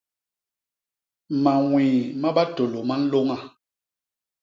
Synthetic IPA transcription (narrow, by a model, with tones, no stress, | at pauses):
ma˨ŋwiː˨ma˦ɓa˦to˨lo˨ma˦n̩˦lo˦ŋa˨